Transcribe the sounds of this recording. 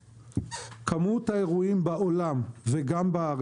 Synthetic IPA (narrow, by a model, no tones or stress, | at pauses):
kʰamut̪haeʁuimbaolamveɡambaːʁ